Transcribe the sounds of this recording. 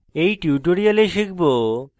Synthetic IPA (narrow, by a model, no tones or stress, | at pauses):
ejʈjuʈoɾialeʃikʰbo